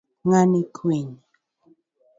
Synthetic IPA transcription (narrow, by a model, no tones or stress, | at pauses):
ŋanɪkʰiɲ